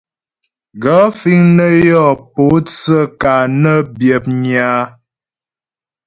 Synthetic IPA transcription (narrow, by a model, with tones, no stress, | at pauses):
ɡɔ˨˦fi˦ŋnə˦jɔ˦˨po˨˦t͡sə˦˨ka˨nə˦bjə˨p̚ɲa˨˦